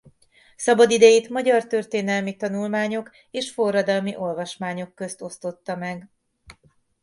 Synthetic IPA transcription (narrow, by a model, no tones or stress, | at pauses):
sɒbɒd̪id̪ɛjeːt̪mɒɟɒrt̪ørt̪eːnɛlmit̪ɒnulmaːɲo̞k | eːʃfo̞rːɒd̪ɒlmiʔo̞lvɒʃmaːɲo̞kːøst̪o̞st̪o̞t̪ːɒmɛɡ